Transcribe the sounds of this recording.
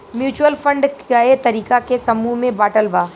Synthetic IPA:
mjuːt͡ʃuwəlfʰə̃ɳɖkaet̪ɐɾiːkakesɐmuɦmẽbaːʈəlbaː

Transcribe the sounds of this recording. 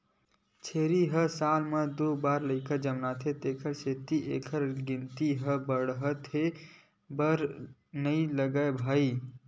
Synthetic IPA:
t͡ʃʰeɾiɦəsalmed̪obaɾləɪkəd͡ʒəmnat̪ʰet̪ekʰəɾset̪iʔḛkʰəɾɡint̪iɦəbəɽɦət̪ʰe | bəɾnəiləɡəebʱəi

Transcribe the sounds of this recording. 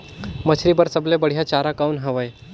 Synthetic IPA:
mət͡ɕʰɾibəɾsəblebəɽ̤ijat͡ɕaɾakawnɦəʋəj

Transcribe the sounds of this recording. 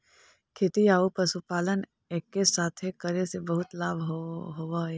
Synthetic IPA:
kʰeːt̪iaːupɐsupaːlən | eːkːesaːt̪ʰekəɾesebɐɦʊt̪laːbʱɦɦoːwa

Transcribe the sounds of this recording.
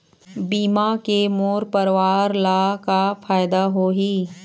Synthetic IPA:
biːmakemoːɾpəɾʋaːɾlaːkafaːɪd̪aɦoɦiː

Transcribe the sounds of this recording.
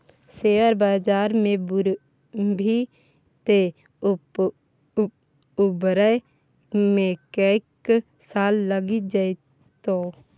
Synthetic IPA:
seːəɾbaːd͡ʒaːɾmẽbɾ | bʱi | t̪e | ʊbɾə | mẽkəɪk | saːlːəɡid͡ʒa | t̪oː

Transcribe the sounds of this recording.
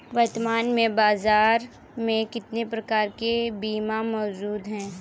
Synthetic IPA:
ʋɐɾt̪maːnmẽbaːzaːɾ | mẽkɪt̪nepɾɐkaːɾkebiːmamɔːd͡ʒuːd̪ɦɛ̃ː

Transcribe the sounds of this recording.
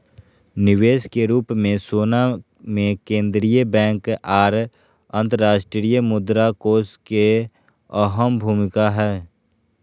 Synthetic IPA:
nɪʋeːskeɾuːpmẽsoːna | mẽkẽːnd̪ɾijəbɛ̃ːŋkaːɾ | ə̃nt̪əɾaːʃʈɾɾijəmʊd̪ɾakoːske | əɦəmbʱuːmɪkaɦɛː

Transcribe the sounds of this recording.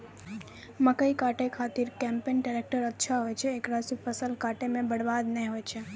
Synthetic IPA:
məkəikaʈekʰat̪iɾkɛ̃mpenɖaɾek̚ʈəɾətːʃʰaɦojt͡ʃʰeːkɾasifəsəlkaʈemẽbəɽʋad̪nəĩɦojt͡ʃʰe

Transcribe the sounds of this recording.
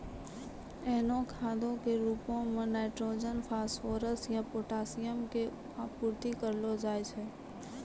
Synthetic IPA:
ɛːnõkʰaːd̪õkeɾuːpõmẽnaɪʈɾoːd͡ʒənpʰaːsfoːɾəsjapoːʈaːsɪjəmke | apuɾt̪ikəɾlod͡ʒaːet͡ʃʰe

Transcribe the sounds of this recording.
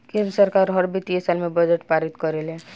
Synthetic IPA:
kemsəɾkaɾɦəɾbit̪iesalmebəd͡ʒeʈpaɾit̪kɔɾele

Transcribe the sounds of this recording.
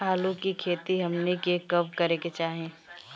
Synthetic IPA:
ɦaːlõkikʰeːt̪iɦɐmnekekɐbkəɾeket͡ʃaːɦẽː

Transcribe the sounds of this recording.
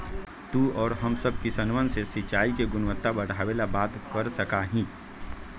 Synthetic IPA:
t̪uːɔːɾɦɐmsəb̚kisənʋənsesɪt͡ʃaːikeɡʊnʋət̪ːabɐɽ̤aːʋelabaːt̪kəɾsəkaɦĩː

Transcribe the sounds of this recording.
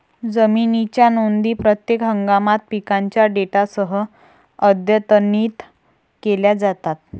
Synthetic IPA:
d͡zəminit͡ɕjanond̪iːpɾət̪jekɦəŋɡamat̪̚pikaɲt͡ɕjaɖeʈasəɦə | əd̪jət̪əniːt̪ | keljad͡zat̪at̪̚

